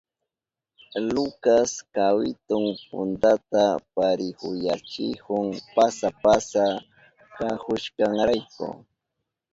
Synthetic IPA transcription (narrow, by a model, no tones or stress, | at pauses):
lʊkaskawɪt̪ʊŋpʊ̰nt̪at̪apaɾɪhʊjat͡ʃɪhʊŋpasapasa | kahʊʃkaŋɾajkʊ̰